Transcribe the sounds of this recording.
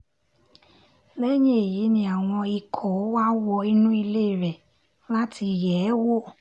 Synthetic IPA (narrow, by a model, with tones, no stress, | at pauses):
lɛ˦ɲe˦˨ji˨˦nĩ˧a˨w̃ɔ̃˧i˧kʰɔ˨˦wa˦wɔ˧i˦nũ˦i˧le˦˨ɾɛ˨ | la˦ti˧jɛ˨˦wo˦